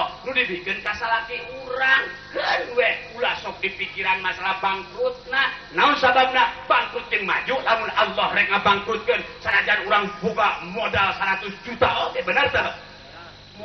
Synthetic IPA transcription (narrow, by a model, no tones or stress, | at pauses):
nudibikənkasalak̪iuɾaŋkənwɛʔulasɔk̚dipikiɾanmasalahbaŋkɾʊt̪̚nanaʊnsabab̚nab̥aŋkɾʊt̪̚jəŋma̰d͡ʒuʔlamʊnalːɔhrɛk̚ŋabaŋkɾʊt̪̚kənsənad͡ʒanuɾaŋboɡamodalsəɾat̪ʊsd͡ʒut̪aoɡɛbənərt̪əh